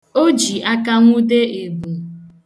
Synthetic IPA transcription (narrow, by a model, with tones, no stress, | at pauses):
o˦d͡ʒi˨a˦ka˦ŋʷu˦de˦e˨bu˨